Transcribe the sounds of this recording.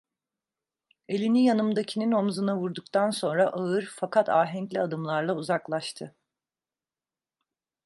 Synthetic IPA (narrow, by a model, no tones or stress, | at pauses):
e̞lʲinijanɯmd̪acʰinino̞mzɯnavuɾd̪ukt̪ʰanso̞nɾaʔaɯɾfakʰat̪ʰaːɦɛɲclʲiad̪ɯmlˠaɾlˠauzaklˠaʃt̪ʰɯ